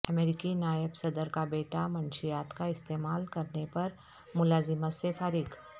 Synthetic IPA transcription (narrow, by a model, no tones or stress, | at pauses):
əmeːɾɪkinaːjɪbsɐd̪əɾkabeːʈamɐ̃nʃijaːt̪kaɪst̪eːmaːlkɐɾnepɐɾ | mʊlaːzɪmasefaːɾɪɡ